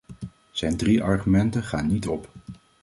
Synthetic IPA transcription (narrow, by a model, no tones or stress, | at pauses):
z̥ɛjndriʔɑɹχymɛntəχaːnːitɔp